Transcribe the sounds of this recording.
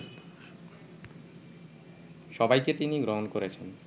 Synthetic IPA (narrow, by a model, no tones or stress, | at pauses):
ʃɔbajket̪iniɡɾoɦonkoɾet͡ɕʰen